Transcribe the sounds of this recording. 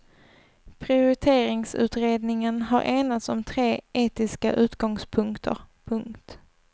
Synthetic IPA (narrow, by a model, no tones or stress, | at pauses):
pʰɾɪʊɾɪt̪ʰeːɾɪŋsʉ̟̰ːt̪ɾeːd̪nɪŋənɦaɾʔeːnat̪sɔmt̪ʰɾeːʔeːt̪ɪska̰ʔʉ̟ːt̪ɡɔŋspʰɵŋkt̪ʰə̰ɾpʰɵŋkt̪